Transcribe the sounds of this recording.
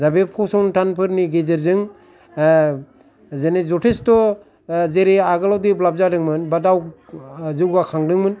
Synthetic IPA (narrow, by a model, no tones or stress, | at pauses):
zabepʰɔsɔŋntʰanpʰɯɾniɡezɯɾzɯŋ | zenezɔtʰestɔ | zeɾiaɡalawdiblab̚zadɯŋmɯnbadaw | zɯɡakʰaŋdɯŋmɯn